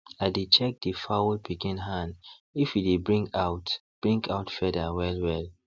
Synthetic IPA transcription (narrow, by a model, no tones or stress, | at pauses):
aɪdet͡ʃɛk̚difawlpʰikĩnɦãnifidebɹĩŋɡaʊtb̥ɹĩŋkaʊtfɛdawɛlwɛl